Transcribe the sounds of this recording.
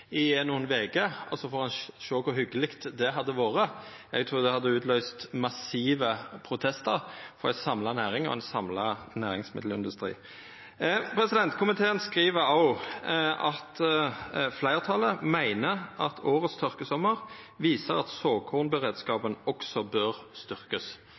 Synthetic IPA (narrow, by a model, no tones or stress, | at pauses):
ɪnːuːənʋeːkəɔsɔfoːʁɑnʃoːkʰʊɾɦʏɡəlɪkt̪d̪ɛɦɑd̪ːəʋoːʁəɛɡ̚t̪ʰʁuːʁd̪ɛhɑd̪ːəʉːt̪lœʏst̪mɑsiːʋəpʰɾʊt̪ʰɛst̪əʁfɔʁsɑmlɑnæːʁɪŋɔ̰ɛnsɑmlɑnæːʁɪŋsmɪ̰d̪l̩ɪnd̪ʉst̪ʁḭː | pʰɾɛsɪd̪ɛnt̪kʰʊmɪt̪ʰeːənskʁiːʋəɾɔʊ | ɑt̪ | flæɪʁt̪ʰɑləmæɪnəʔɑt̪ʰoːʁət̪st̪ʰʏʁkəsɔmːəʁ | ʋiːsəʁɑt̪soːkʰʊːʁnbəʁeːd̪skɑːpənɔksɔbøʁst̪ʏʁkəs